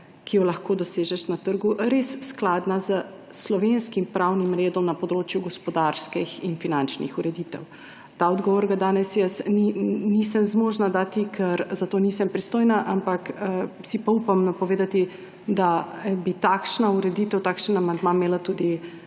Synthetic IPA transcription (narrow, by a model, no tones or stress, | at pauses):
kijɔlaxkoːd̪ɔseːʒɛʃnat̪əɾɡuɾesːklaːd̪nazə | slɔʋenskimpɾawnimɾeːd̪ɔmnapɔd̪ɾoːt͡ʃjuɡɔspɔd̪aɾskɛxinfinant͡ʃnḭxuɾɛd̪it̪ɛ̰w | t̪aːɔd̪ɡɔʋɔɾɡad̪aːnɛsjəsninisəmzmoːʒnad̪aːt̪ikʰɛɾzat̪oːnisəmpɾist̪oːjnaʔampakːsipaupamnɔpɔʋeːd̪at̪i | d̪abit̪akʃnauɾɛd̪it̪ɛwt̪akʃənamand̪mameːlat̪uːd̪i